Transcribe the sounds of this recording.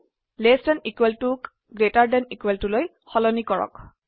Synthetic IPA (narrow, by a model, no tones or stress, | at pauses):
lestɛnikweltuk | ɡɹetaɹdɛnikweltuloj | xɔlɔnikɔɹɔ̰k